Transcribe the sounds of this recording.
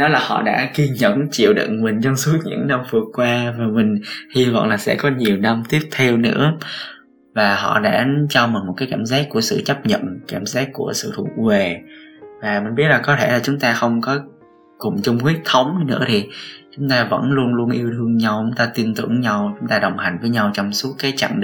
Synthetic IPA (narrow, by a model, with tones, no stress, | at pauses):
nɔ˨˦laː˨˩hɔ̰˧˨ɗa̰ː˧˥ki˧ɲə̰˧˨nt͡ɕḭ˧˨əwɗḭ˧˨nmï˨˩ŋ̟t͡ɕɔ˧wŋ͡msu˦˥t̪̚ɲɨ̰˧˥ŋna˧mvɨ˨˩əkkːwaː˧vaː˨˩mï˨˩ŋ̟hi˧vɔ̰˧˨wnlaː˨˩sɛ̰˧˥kɔ˨˦ɲi˨˩əwna˧mt̪i˦˥əp̚t̪ʰɛ˧wnɨ̰˧˥ə | vaː˨˩ɦɔ̰˧˨ɗa̰ː˧˥t͡ɕɔ˧mi˨˩nmo˨˩kaː˨˦jkaː˧˩mzaː˦˥kːu˧˩əsɨ̰˧˨t͡ɕə˦˥p̚ɲə̰˧˨nkaː˧˩mzaː˦˥kːu˧˩əsɨ̰˧˨t̪ʰu˧˩˧we˨˩vaː˨˩mï˨˩ŋ̟ɓi˦˥ət̚laː˨˩kɔ˨˦t̪ʰe˧˩laː˨˩t͡ɕʊ˨˦ŋ͡mt̪aː˧xə˧wŋ͡mkɔ˨˦ | kʊ˨˩ŋ͡mt͡ɕʊ˧ŋ͡mkwi˦˥ək̚t̪ʰə˨˦wŋ͡mnɨ̰˧˥ət̪ʰi˨˩t͡ɕʊ˨˦ŋ͡mt̪aː˧və̰˧˥nlu˧ənlu˧ənʔi˧əwt̪ʰɨ˧əŋɲa˧wt͡ɕʊ˨˦ŋ͡mt̪aː˧t̪i˧ənt̪ɨ˧˩əŋɲa˧wt͡ɕʊ˨˦ŋ͡mt̪aː˧ɗə˨˩wŋ͡mha˨˩jŋ̟vəː˨˦jɲa˧wt͡ɕɔ˧wŋ͡msu˦˥t̚kaː˨˦jt͡ɕa̰˧˨ŋɗ